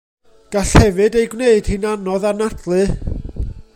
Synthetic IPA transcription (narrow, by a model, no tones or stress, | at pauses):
ɡ̥aɬhɛvɨdejɡwneɨd̥hɨnanɔðarnadlˠɨ